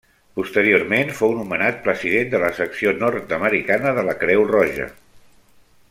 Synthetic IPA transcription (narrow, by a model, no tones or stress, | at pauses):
pust̪əɾiormenfownumənat̪̚pɾəziðend̪ələsəksionɔɾt̪əməɾikanəðələkɾɛwrɔʒə̰